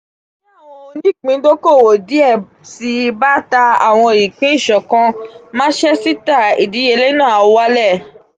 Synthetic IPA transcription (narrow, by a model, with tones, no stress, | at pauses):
ɔ̃˧nĩ˦˨k͡pĩ˨˦do˦ko˦˨wo˨di˨˦ɛ˦˨ | si˧ba˦ta˧a˨w̃ɔ̃˧˨ji˨k͡pĩ˨˦i˦˨ʃɔ˨kã˧m̃ã˦ʃɛ˦si˦ta˦˨i˨di˨˦e˧le˦nãː˦˨a˨˧wa˦lɛ˦˨